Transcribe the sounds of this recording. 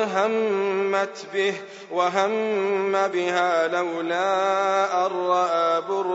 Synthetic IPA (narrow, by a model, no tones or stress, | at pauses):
ɦamːat̪bɪh | waɦamːabɪhaːlawlaːʔɑɾˤːɑʔabʊɾ